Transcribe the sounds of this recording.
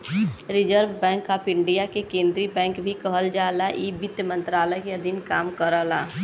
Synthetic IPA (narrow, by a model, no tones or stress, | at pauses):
ɾɪd͡ʒəɾbbɛ̃ːŋkaːpʰɪɳɖijakekẽːnd̪ɾibɛ̃ːŋkbʱikəɦəld͡ʒaːlaʔibɪt̪jəmə̃nt̪ɾaːləkeəd̪ʱinkaːmkəɾəɦlaː